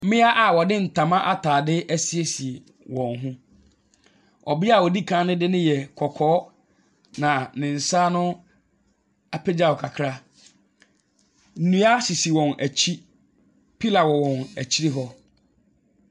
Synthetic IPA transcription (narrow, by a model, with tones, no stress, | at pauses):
m̩˦mɪ̃˦a˦ʔa˨wɔ˨dɪ˦n̩˨tʰã˨mã˦ʔa˦tʰaː˨dɪ˦æ˦si˨e˦si˨e˨ | wɔ̃˨nɦʊ̃˦ | ɔ̰˨bɪ˦a˨wɔ˨di˦kʰã˦nʊ̃˦dɪ˦nɪ̃˦jɛ˨kʰɔ˨kʰɔː˨˦ | nã˨nɪ̃˨n̩˨sa˦nʊ̃˦ | a˨pʰe˦d͡ʑa˨wɔ˨kʰa˨kʰɾa˦ | n̩˨nũ˦a˦si˨si˨wɔ̃˨næ˨t͡ɕʰi˦ | pʰi˦la˨wɔ˨wɔ̃˨næ˨t͡ɕʰi˦ɾi˦ɦɔ˦